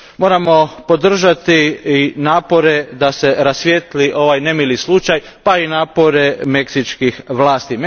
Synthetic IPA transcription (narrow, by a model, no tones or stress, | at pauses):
mo̞ːɾamo̞po̞d̪r̩ʒat̪iinaːpo̞ɾe̞d̪ase̞ɾasʋjet̪liʔo̞ʋajne̞milislut͡ʃaj | painaːpo̞ɾe̞me̞ksit͡ʃkixʋlaːst̪im